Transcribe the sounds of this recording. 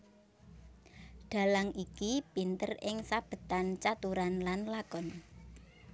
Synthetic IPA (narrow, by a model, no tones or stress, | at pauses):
ɖ̪̥a̤laŋikipint̪ərɪŋsab̥ə̤t̪ant͡ʃat̪uɾanlanlakɔn